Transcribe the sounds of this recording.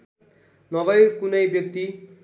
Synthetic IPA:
nʌbʌjkunʌjbjʌkt̪i

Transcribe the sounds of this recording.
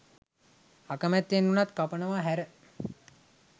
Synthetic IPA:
akəmæt̪ːenːunat̪kapənəʋaɦæɾə

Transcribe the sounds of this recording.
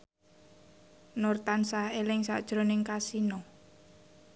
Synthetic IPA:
nort̪ansahelɪŋsa̰ʔd̥ʒ̥ɾonɪŋkasinɔ

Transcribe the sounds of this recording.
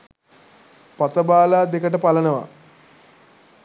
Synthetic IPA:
pat̪əbaːlaːd̪ekəʈəpalənəʋa̰

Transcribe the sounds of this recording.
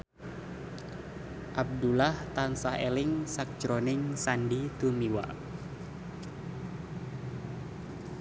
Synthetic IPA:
ʔab̚dulaht̪ansahḛlɪŋsak̚d͡ʒɾonɪŋsandit̪umiwa̰

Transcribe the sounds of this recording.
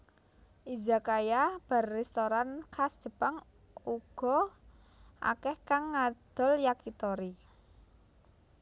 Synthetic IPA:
ʔiza̤kajab̥a̤rːɛst̪oɾankʰasd̥ʒ̥ə̤paŋ | uɡ̥ɔ̤ | ʔa̰kɛhkaŋːad̪̥ɔ̤ljakit̪ɔɾi

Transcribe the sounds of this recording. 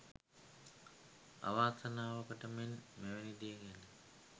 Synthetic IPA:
a̰ʋaːsanaːʋəkəʈəmenmeʋenid̪ijeŋenə

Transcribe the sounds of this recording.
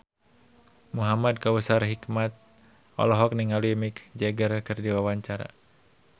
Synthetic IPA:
muɦamad̚kawəsarɦikmat̪̚ | ɔ̰lɔɦɔk̚niŋaluimikd͡ʒɛɡərkɨrdiwawaɲt͡ʃaɾa̰

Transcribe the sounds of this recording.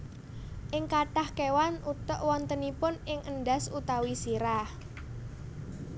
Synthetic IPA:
ʔɪŋkaʈahkewanut̪əʔwɔnt̪ənipʊnɪŋʔənɖasut̪awisiɾah

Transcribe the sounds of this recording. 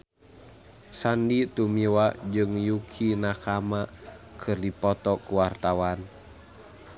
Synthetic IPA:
sandit̪umiwad͡ʒɨŋjukʰinakamakʰɨrdipɔt̪ɔkuwart̪awan

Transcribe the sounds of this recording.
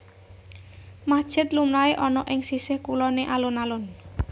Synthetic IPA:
mad̥ʒ̥ɪ̤t̪lumlaeʔɔnɔʔɪŋsisɪhkulɔneʔalʊnalʊn

